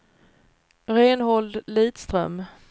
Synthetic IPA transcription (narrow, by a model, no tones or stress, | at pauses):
ɾeːnhɔld̪liːt̪st̪ɾœ̰m